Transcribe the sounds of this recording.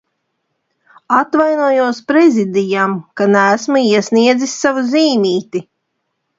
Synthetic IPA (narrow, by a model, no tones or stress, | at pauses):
at̪vajnuɔjuɔspɾɛzʲid̪ijamkanæːsmuiɛsniɛd̪zisːavuziːmʲiːt̪i